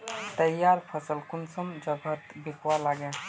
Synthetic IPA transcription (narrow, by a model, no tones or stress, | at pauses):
t̪əjːaɾpʰəsəlkunsəmd͡ʒəɡʱət̪bikʰwalaɡã